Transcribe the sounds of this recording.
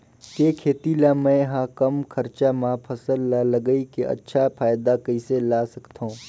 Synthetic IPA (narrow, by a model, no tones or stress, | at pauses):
keːkʰeːt̪ilaːmɛ̃ɦãkɐmkʰɐɾt͡ʃamãpʰɐsəlːalɐɡəikeʔɐ̰tːʃʰapʰaːjd̪akəiselaːsɐkt̪ʰõː